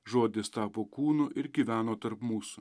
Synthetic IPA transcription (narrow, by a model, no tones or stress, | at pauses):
ʒoːd̪ʲɪst̪ɑːpoːkuːnʊʔɪɾɡʲiːʋʲæːnoːt̪ɐɾpmuːsʊ